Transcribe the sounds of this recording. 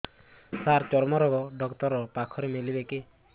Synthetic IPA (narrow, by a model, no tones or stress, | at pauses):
t̪aɾt͡ʃɔɾmɔɾɔɡɔɖɔkt̪ɔɾɔpakʰɔɾemelibeke